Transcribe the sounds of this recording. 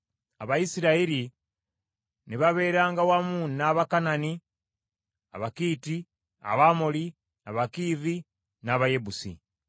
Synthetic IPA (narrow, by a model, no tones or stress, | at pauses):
aβajisiɾaiɾi | niβaβe̞ːɾaːŋɡawamunːaːβakanani | a̰βakiːti | a̰βamoli | aβakiːvi | naːβajebusḭ